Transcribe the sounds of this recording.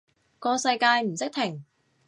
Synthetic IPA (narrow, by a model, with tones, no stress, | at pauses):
kɔː˧sɐ˧jkaː˧jm̩˨˩sɪ˥k̚t̪ʰɪ˨˩ŋ